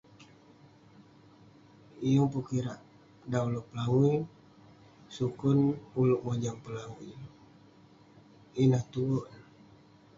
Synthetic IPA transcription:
ijuŋpukiɾaʔ | daulɔʔpəlaui | sukʊnulʊʔmod͡ʒaŋpəlaui | inaht̪uwɔn

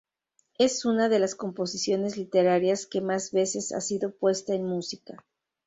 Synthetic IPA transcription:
e̞sunaðe̞lasko̞mpo̞sisjo̞ne̞zlit̪e̞ɾaɾjaske̞mazβe̞se̞sa̰siðo̞pwe̞st̪aenmusika

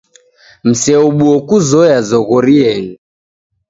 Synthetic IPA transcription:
m̩sɛɔɓuɔkuzɔjazɔɣɔɾiɛni

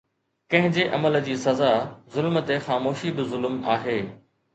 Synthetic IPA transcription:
kɐ̃ɦɪ̃ɲd͡ʑeʔɐməld͡ʑiːsɐzazʊlmt̪exaːmoːʃibɪzʊlmaːɦeː

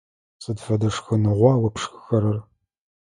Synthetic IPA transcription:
sʼɨdfɐdɐʂxɨnɨʁʷɑːwɐpʰʂxɨxɐɾɐr

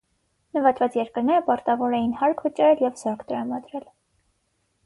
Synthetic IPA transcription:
nəvɑt̪vɑt͡sjɛɾkəɾnɛɾəpɑɾt̪ɑvɔɾɛjinhɑɾkʰvət͡ʃɑɾɛljɛvzɔɾkʰt̪əɾɑmɑd̪ɾɛl

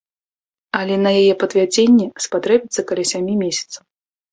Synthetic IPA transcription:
ɐlʲɛnɐjajɛpɐd̪vʲad͡zʲenʲːɛspat̪ɾɛbʲit̪sɐkɐlʲɛsʲamʲimʲesʲɐ̥t̪sɐw

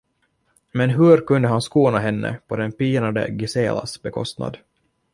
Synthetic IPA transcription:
mɛnɦɵɾkɵnd̪əɦanskuːnaɦɛnːə̰pʰɔd̪ɛnpiːnad̪ə̰ɡɪseːla̰sbɛkʰɔ̰st̪na̰d̪

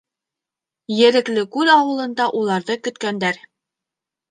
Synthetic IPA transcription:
jɘ̆ɾɘ̆klɘkʉðɑwɤ̆lˠɤ̆nd̪ɑʔulˠɑɾðɤkɵ̆t̪kænd̪æɾ

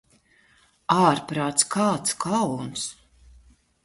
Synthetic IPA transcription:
aːɾpɾaːt̪skʰaːt̪skʰawns

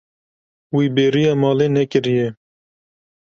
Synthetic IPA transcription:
wiːbeːɾijɑːmɑːleːnɛkɨɾijɛ

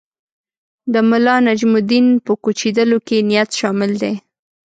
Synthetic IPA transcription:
d̪əmʊlɑnad͡ʒmʊd̪inpəkut͡ʃid̪əlokenijat̪ʃɑmɪld̪e

